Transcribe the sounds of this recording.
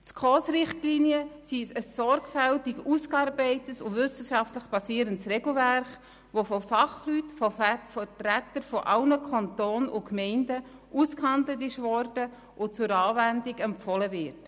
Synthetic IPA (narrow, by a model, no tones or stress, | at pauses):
t͡skʰoːsɾɪχtliːniəsisəsːɔɾɡfæltɪkuskɑɾbɛɪtəsʊvʏsəʃɑftləχb̥ɑsiːɾəntsrɛɡl̩væɾχ | ʋofɔfɑχlytfɔfɛtɾætəɾfɔʔɑlnəkʰɑntoːnʊkmɛɪndə | ʔuskhɑndlətɪʃʋɔrd̥ə | ʔʊt͡sʊɾɑːvændiɡɛmpfɔləvɪɾt